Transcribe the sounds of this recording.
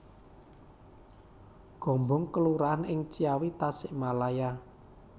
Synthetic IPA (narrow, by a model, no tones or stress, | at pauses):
ɡ̥ɔ̤mbɔŋkəluɾaanɪŋt͡ʃiawit̪asɪʔmalaja